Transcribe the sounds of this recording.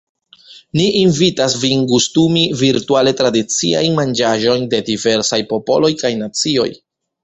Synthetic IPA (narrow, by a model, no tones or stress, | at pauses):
niʔːnvitasvinkustumiviɾtuale̞tɾadit͡sia̰jnmand͡ʒaʒo̞jnde̞dive̞ɾsajpo̞po̞̰lo̞jkajnat͡sio̞̰j